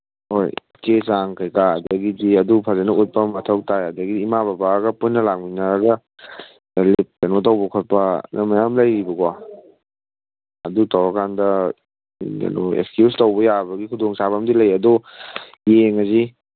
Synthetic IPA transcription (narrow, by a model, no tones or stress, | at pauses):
hoj | kesaŋkʰajkaɐdɐɡidiɐdupʰazanɐut̚pɐmɐtʰɐw̚tʰajɐdɐɡidiːmababaɡɐpunːɐlak̚minaɾɐɡɐ | lip̚kɐnotawbɐkʰot̚pɐ̰nɐmajamlɐjɾibɐɡwa | ɐdutawɾɐkʰandɐ | a̰noḛkskjustowbɐjabɐɡikʰudoŋsabɐmdilɐjɐdu | jeŋɐzi